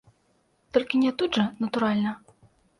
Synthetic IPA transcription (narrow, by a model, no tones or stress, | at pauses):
t̪ɔlʲkʲinʲɛt̪ud̪ʐɐnɐt̪uɾalʲnɐ